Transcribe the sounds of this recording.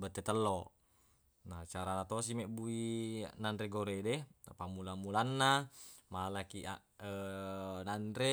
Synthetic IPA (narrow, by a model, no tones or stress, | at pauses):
bət̪ːɛt̪əlːɔ | nat͡ʃaɾanat̪os̬imɛʔbuinanɾɛɡoɾɛdɛpamulamulanːamaalakiʔa | ənanɾɛ